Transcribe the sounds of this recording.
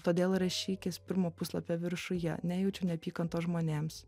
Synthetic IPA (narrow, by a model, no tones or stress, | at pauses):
t̪oːd̪ʲeːlˠɾɐʃʲiːkʲɪspʲɪɾmoːpʊslˠɐ̰pʲɛʋʲɪɾʃʊjɛ̰nʲæːjɛʊt͡ʃʲʊːnʲɛpʲiːkɐnt̪oːʒmoːnʲeːms